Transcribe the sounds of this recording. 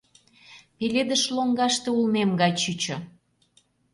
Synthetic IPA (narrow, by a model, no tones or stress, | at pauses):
peled̪əʃloŋɡɑʃt̪eulmemɡɑjt͡ɕyt͡ɕo